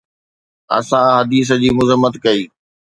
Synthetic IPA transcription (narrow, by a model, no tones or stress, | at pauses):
ɐ̰sãɦɐd̪iːs̬əd͡ʑiːmʊzəmːət̪kɐiː